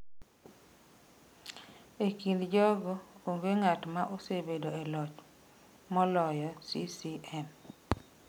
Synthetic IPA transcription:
ekinldd͡ʒɔɡɔoŋɡeŋatmaʔosebedoɛlɔt͡ʃ | mɔlɔjɔsisiɛm

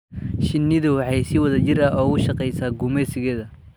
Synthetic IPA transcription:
ʃɪnːɪðʊwħɑjsɪwɐðɐt͡ʃɪrɐɔːɣʊʃɐqɛjsaːɡʊmɛsɪɣɛːðɐ

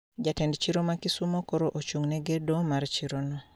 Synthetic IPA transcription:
d͡ʒatɛndt͡ʃiɾomakisumokɔɾoʔot͡ʃuŋnɛɡedɔmaɾt͡ʃiɾonɔ

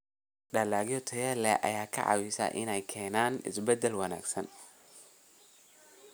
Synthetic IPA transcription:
ɖɐlaːɡjɔt̪ʰɐjɛlɛʔɐ̰jaːkʰɐ̰ʕɑ̰wɪsɐ̰ʔɪnɛjkʰɛːnaːnɪ̰sbɛd̪ɛlwɑna̰ːɡsɐn

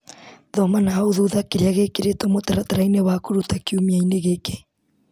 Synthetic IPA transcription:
ðɔmanaɦaoðuðakeɾeaɣekeɾetwɔmotaɾataɾainewakoɾutakeumiaineɣeke̥

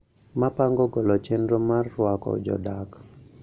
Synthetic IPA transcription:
mapaŋɡɔɡɔlɔt͡ʃendɾomarːwakɔ̰d͡ʒɔ̰dak

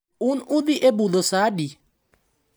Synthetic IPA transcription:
unuðiʔebuðɔsaɗi

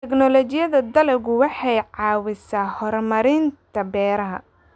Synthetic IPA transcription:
t̪ɛknɔlɔt͡ʃɪjɐðɐd̪ɐlɛɣʊwɑħɑjʕɑːwɪsaːhɔrmɐɾɪnt̪ʰɐbɛːɾɐɦɐ̰

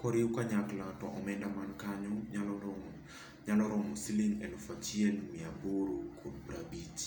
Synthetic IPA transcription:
kɔɾiukaɲaklatɔʔɔmɛndamankaɲɔalɔ | ɲalɔɾɔmɔsiliŋɛnɔfat͡ʃiɛlmɪaboɾokʰodbɾabit͡ʃ

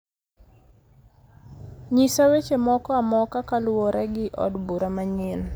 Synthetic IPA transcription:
ɲisawet͡ʃemɔkɔamɔkakalwɔɾʔɛɡɪʔɔ̰dbuɾamaɲɪn

